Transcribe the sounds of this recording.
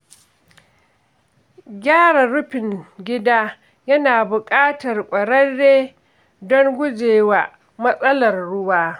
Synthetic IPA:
ɡʲaː˦ɽa˨ɽʊ˦ɸɪ˨ŋɡʲɪ˦daː˦ | jɐ˦naː˨bʊ˨kʼaː˦tɐ˨rkʷʼɐ˨ɽɐ˦rːeː˦ | dɔ˦ŋɡʷʊ˦d͡ʒeː˨wa˨ | mɐ˦sʼɐ˦lɐ˨rɽʊ˦waː˦

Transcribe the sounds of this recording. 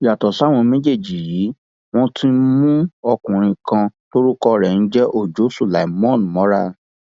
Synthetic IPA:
ja˨tɔ˨sa˨˦˨w̃ɔ̃˧mẽ˦d͡ʒe˦˨d͡ʒi˨jiː˨˦ | w̃ɔ̃˦tʰi˦mũ˦ɔ˧kũ˨ɾ̃ĩ˧kã˧to˦ɾu˦kɔ˧ɾɛ˨n̩˦d͡ʒɛ˦ʔo˦˨d͡ʒo˨˦su˦˨la˨i˨mɔ̃˦˨n˨mɔ̃˨˦ɾa˦

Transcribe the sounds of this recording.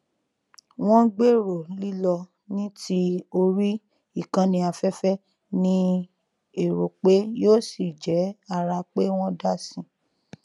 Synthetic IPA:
w̃ɔ̃˦ɡ͡be˦˨ɾo˨li˦lɔ˧ | nĩ˦ti˦o˧ɾi˦ | i˦˨kã˧nĩ˧a˧fɛ˦fɛ˦ | nĩ˦ | e˨ɾo˨k͡pe˦joː˦si˦˨d͡ʒɛ˨˦a˦˨ɾa˧k͡pe˦w̃ɔ̃˦da˦˨sĩ˧˨

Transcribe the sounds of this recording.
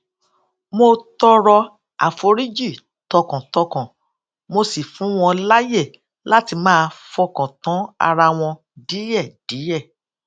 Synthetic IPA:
mo˧tɔ˧ɾɔ˧ | a̰˨fo˧ɾi˦d͡ʒi˦˨ | tɔ˧kã˨tɔ˧kã˨ | mo˧si˨fũ˨˦w̃ɔ̃˧la˦je˦˨ | la˦ti˧mãː˦˧fɔ˧kɔ̃˨tã˨˦a̰˧ɾa˧w̃ɔ̃˧ | di˨˦jɛ˦˨d̥i˨˦jɛ˦˨

